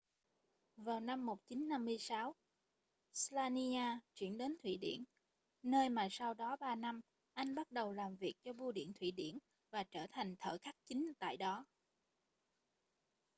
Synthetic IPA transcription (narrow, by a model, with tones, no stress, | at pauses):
vaː˨˩wna˧mːo˨˩t̚t͡ɕi˨˦nːa˧mːɨ˧əjsaː˨˦w | slaː˧ni˧aː˧t͡ɕwḭ˧˩ənɗe˨˦nt̪ʰwḭ˧˩˨ɗḭ˧˩ən | nəː˧jmaː˨˩sa˧wɗɔ˨˦ɓaː˧na˧m | ʔa˧jŋ̟ɓa˦˥t̚ɗə˨˩wlaː˨˩mvi˨˩ək̚t͡ɕɔ˧ɓu˧ɗḭ˧˩ənt̪ʰwḭ˧˩ɗḭ˧˩ən | vaː˨˩t͡ɕəː˧˩t̪ʰa˨˩jŋ̟t̪ʰə̰ː˧˩xa˦˥k̚t͡ɕi˨˦ŋ̟t̪a̰ː˧˨jɗɔ˨˦